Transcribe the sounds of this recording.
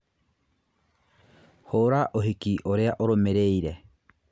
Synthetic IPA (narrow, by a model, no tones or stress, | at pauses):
hoɾaʔoɦikiʔoɾeaʔoɾomeɾeiɾɛ